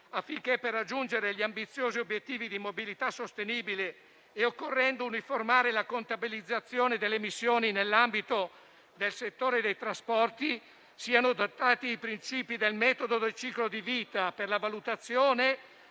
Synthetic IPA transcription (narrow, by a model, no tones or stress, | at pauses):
afːiŋk̟epːerːad͡ʒːund͡ʒeɾeʎiambit̪sːjoːziobjet̪ːiːvid̪imobilit̪asːost̪eniːbile | eokːorːɛnd̪ouniformaːɾelakont̪abilid̪zːat̪sːjoːned̪elːemisːjoːninelːambit̪o | d̪elset̪ːoːɾed̪ejt̪ɾaspɔrt̪i | siːanod̪ot̪ːaːt̪iajpɾint͡ʃiːpid̪elmɛːt̪od̪od̪elt͡ʃiːklod̪iviːt̪aperlavalut̪at̪sːjoːne